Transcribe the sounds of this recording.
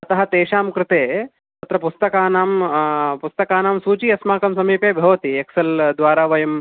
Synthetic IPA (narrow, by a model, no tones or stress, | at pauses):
ɐt̪ɐɦɐ̆t̪eːʃaːmkɾɪt̪eː | ɐt̪ɾɐpust̪ɐkaːnaːmpust̪ɐkaːnaːmsuːt͡ʃiːɐsmaːkɐmsɐmiːpeːbʱɐʋɐt̪ieksɐld̪ʋaːɾaːʋɐjɐm